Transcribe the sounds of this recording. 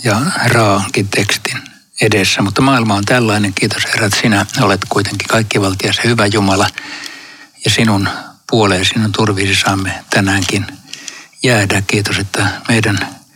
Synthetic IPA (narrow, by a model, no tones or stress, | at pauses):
jɑrɑːhɑŋkint̪ekst̪in | edesːæmut̪ːɑmɑːilmɑont̪ælːɑineŋkiːt̪osherɑet̪sinæolet̪kuit̪eŋki̥kɑikːiʋɑlt̪iɑsehyʋæjumɑlɑ | jɑsinunpuoleːsinunt̪urʋisisɑːmːet̪ænæːŋkin | jæːdækkiːt̪oset̪ːæmeidæn